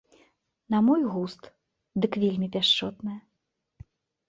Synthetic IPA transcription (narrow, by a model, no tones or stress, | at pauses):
nɐmɔjɣust̪ | d̪ɨkvʲelʲmʲipʲaʂt͡ʂɔt̪nɐjɐ